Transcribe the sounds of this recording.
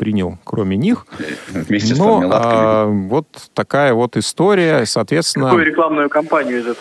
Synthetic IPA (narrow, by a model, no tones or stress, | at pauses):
pɾʲinʲəlˠkɾomʲɪnʲixvmʲesʲnnoavo̞t̪ːɐkajəvo̞t̪ɨst̪o̞ɾʲɪjəsɐːt̪vʲet̪st̪ʲɪnːəujʊɾʲɪklˠamnʊjʊkɐmpanʲɪjʊɪzɛt̪